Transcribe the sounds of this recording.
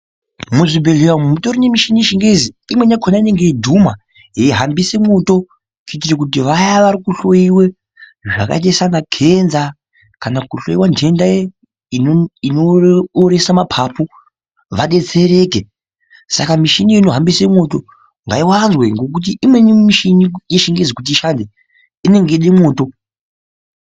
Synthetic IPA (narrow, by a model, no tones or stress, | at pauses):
muʐibe̞ɮewamumutoɾinemiʃiniʃiŋɡe̞ziimwe̞nakʰonaine̞ŋɡedʱuma | jeiɦambise̞mo̞to̞ | kitirek̬ut̬iʋajaʋaɾikuɬojiwe | ʐa̰ka̰t̬esanakʰe̞nza | kanakuɬoiwande̞ndae | iinoːɾe̞samapʰapu | ʋaɗe̞t͡se̞ɾe̞ke | sa̰kamiʃiniino̞ɦambisemo̞to | ŋɡa̰iwanzweŋɡo̞k̬ut̬iʔimwe̞nimiʃinijeʃiŋɡed͡zekut̬iiʃande | ine̞ŋɡeɗemo̞ːto̞